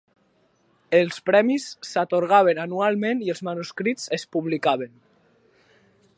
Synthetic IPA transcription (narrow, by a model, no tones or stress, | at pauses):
elˠspɾɛmisːat̪oɾɣ̞aβ̞enanualˠmẽnielzmanuskɾit͡sespuβlikaβen